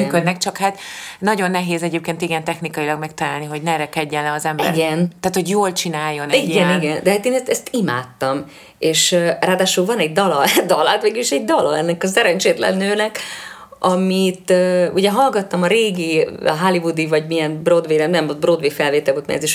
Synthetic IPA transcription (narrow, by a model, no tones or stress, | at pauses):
myːkød̪nɛk̚t͡ʃɒkhaːt̪nɒɟo̞nːɛɦeːzɛɟeːp̚keːnt̪iɡɛnt̪ɛxnikɒjilɒɡmɛkt̪ɒlaːlniɦo̞ɟnɛɾɛkɛɟːɛnːɛɒzɛmbɛ̰ɾɡɛnt̪ːaːt̪ho̞ɟjoːlt͡ʃinaːjːo̞nɛiɛniɡɛnd̪ɛɦaːt̪eːnɛst̪ɛst̪ima̰ːt̪ːɒm | eːʃraːd̪aːʃulvɒnɛɟ̚d̪ɒlɒd̪ɒlat̪mɛɡyliʃɛɟ̚d̪ɒlɒɛnːɛkɒsɛɾɛnt͡ʃeːt̪lɛ̰nːøːnɛk | ɒmit̪ːuɟɛɦɒlɡɒt̪ːɒmɒɾeːɡiɦalivud̪ivɒɟmijɛnbrod̪veːlɛmnɛmbrod̪vefɛlveːt̪ɛlboːt̪mɛ̰ɛ̰ziʃ